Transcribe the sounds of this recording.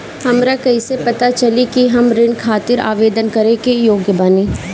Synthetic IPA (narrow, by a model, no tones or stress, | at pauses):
hɐmɾakɐisepɐt̪at͡ʃɐlikiɦɐmɾɪɳkʰaːt̪ɪɾa̰ːʋeːd̪ənkɐɾẽkejoːɡjəbanẽː